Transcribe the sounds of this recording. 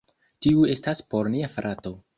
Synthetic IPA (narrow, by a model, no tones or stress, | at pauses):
tiue̞staspo̞ɾniafɾʔato̞